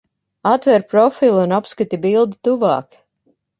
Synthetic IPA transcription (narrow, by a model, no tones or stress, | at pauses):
at̪vɛɾpɾɔfilˠunapskat̪ʲibilˠd̪it̪uvɑ̰ːk